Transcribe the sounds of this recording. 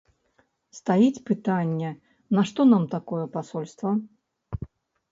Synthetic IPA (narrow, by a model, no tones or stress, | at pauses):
st̪ajit͡sʲpɨt̪anʲːɛ | nɐʂt̪ɔnamt̪akɔjɛpasɔlʲst̪vɐ